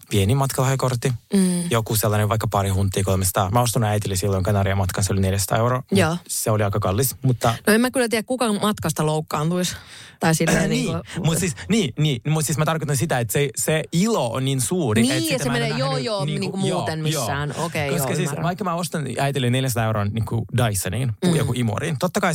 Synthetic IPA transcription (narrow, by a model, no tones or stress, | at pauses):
pienimɑt̪kɑlɑhjɑkort̪ːijokuselːɑneʋʋɑikːɑpɑɾihunt̪ːˑiːkolmesɑ̥t̪ɑ̰mæost̪ɑnuæit̪ilːisilːoiŋkɑnɑɾiɑmɑt̪kɑnseolineljæsɑt̪ɑ̰ːeuwɾoːjoːseoliɑikɑkɑlːismut̪ːɑnoemækylːˑæt̪iːækkukɑmɑt̪kɑst̪ɑloukːɑːnt̪ulist̪ɑisilːnniːmut̪siːsniːniːmut̪siːsmæt̪ɑrkot̪ɑnsit̪æet̪seseiloo̰nninsuːriniet̪ːɑst̪semenejojoːniːniŋukumjuoːt̪enmijoːæːnokekoskɑsiːssʋɑikːɑmæost̪ɑnæit̪ilːineljæns̬ɑ̥t̪ɑeuɾoːnniːŋkudɑisːɑnḭːnujokuʔimo̰ɾint̪ot̪ːɑkɑi